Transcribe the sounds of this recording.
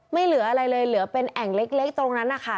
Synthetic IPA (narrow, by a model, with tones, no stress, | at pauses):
ma˥˩jlɯ˩˦ɐʔa˧ɾa˧jlɤː˧jlɯ˩˦ɐpe˧nʔɛ˨˩ŋle˦˥k̚le˦˥k̚t̪ɾo˧ŋna˦˥nːʔːa˨˩kʰa˦˥˩